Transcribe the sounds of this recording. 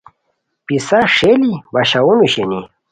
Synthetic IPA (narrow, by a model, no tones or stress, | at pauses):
pisaʂelibaɕawunuɕeni